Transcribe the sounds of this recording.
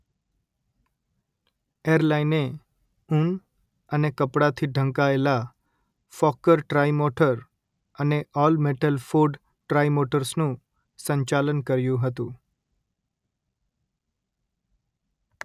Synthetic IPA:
eɾlaɪne | un | ənekəpɽat̪ʰiɖʱə̃ŋkaela | fɔkəɾʈɾajmoʈəɾ | əneɔːlmeʈəlfoɾɖ | ʈɾajmoʈəɾsnũː | sə̃ɲt͡ʃalənkəɾjũɦət̪ũ

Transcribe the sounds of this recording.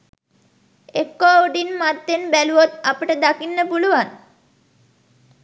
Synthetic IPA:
ekːooɖinmat̪ːenbæluʋot̪apəʈəd̪akinːəpuluʋan

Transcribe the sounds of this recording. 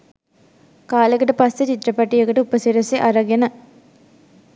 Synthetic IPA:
kaːlekɐʈəpɐsːet͡ɕit̪ɾɐpɐʈːijɐkɐʈəupəsiɾɐseʔɐɾɐɡenə

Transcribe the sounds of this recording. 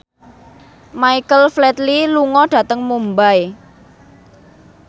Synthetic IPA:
maikəlflɛt̪liluŋɔɖ̥ä̤t̪əŋmumbaj

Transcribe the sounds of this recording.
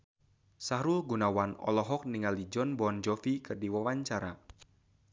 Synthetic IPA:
saɾulɡunawanɔ̰lɔɦɔk̚niŋalid͡ʒɔnbɔnd͡ʒɔfikɨrdiwawaɲt͡ʃaɾa

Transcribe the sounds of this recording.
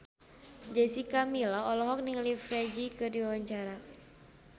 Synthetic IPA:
d͡ʒɛsikamilɔɔlɔɦɔk̚niŋlifɾed͡ʒikɨrdiwawaɲt͡ʃaɾa

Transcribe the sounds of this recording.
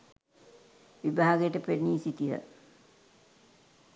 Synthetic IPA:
ʋibʱaːɡɐjeʈːɨpeɾniːsit̪ːiðɐ̰

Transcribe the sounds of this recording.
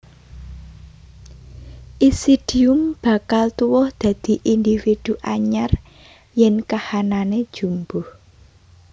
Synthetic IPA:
ʔisid̪̥iʊmb̥a̤kalt̪uwɔhd̪̥ä̤d̪̥i̤ʔind̪ifid̪̥uʔaɲar | jɛnkahananed̥ʒ̥ṳmbʊh

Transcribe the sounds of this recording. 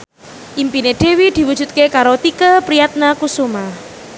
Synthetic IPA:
ʔimpineɖ̪̥e̤wid̪̥i̤wu̥d͡ʒ̥ṳt̪̚kekaɾot̪ikəpɾijat̪̚nakusuma

